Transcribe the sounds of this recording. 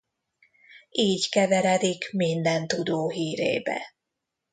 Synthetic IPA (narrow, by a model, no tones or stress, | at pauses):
iːɟkɛvɛɾɛd̪ikmind̪ɛnt̪ud̪oːɦiːɾḛːbɛ̰